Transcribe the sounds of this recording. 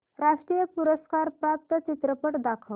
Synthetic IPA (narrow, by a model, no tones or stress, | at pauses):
ɾaʂʈɾijəpuɾəskaɾpɾap̚t̪ət͡ɕit̪ɾəpəʈd̪akʰəʋ